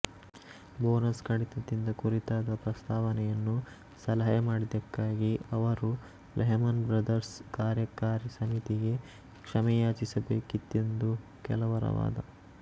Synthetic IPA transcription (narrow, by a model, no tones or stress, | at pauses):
boːnɐskɐɽit̪ɐt̪ind̪ɐkuɾit̪aːd̪ɐpɾɐst̪ʰaːʋɐnɛjɐnːu | sɐlɐɦajɐmaːɽid̪ɐkːaːɡiɐʋɐɾu | lɛɦɐmɐnbɾɐd̪ɐɾskaːɾjɐkaːɾisɐmit̪iɡe̞ | kʂɐmɛjaːt͡ʃisɐbeːkid̪e̞nd̪u | kɛlɐʋɐɾɐ̰ʋa̰ːd̪ɐ̰